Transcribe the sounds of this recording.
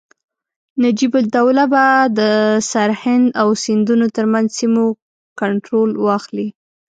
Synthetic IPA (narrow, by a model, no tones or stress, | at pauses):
nad͡ʒibʊd̪awlabad̪əsaɾhɪnd̪awsɪnd̪unot̪əɾmanzsimo | kaɳʈɾolwɑxli